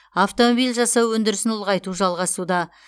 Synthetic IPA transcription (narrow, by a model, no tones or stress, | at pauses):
aft̪o̞mobijlʲʒɑsɑwɵnd̪ɪɾɪsɪnʊlˠʁɑjt̪uʒɑlˠʁɑsud̪ɑ